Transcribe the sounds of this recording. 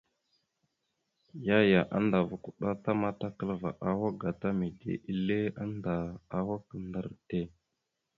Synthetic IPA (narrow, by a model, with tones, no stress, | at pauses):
ja˦ja˨ʔa̰˦nda˨vu˨ku˨ɗa˦ta˦ma˦ta˦kə˦lva̰˨ʔa˨wa˦ɡa˨ta˦mi˨dḛ˨ʔi˦le˦a˦nda˨a˦wa˦kə˨ndə˦ɾte˦˨